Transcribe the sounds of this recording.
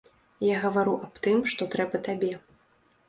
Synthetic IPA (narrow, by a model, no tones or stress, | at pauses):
jaɣɐvaɾuʔapt̪ɨmʂt̪ɔt̪ɾɛbɐt̪abʲɛ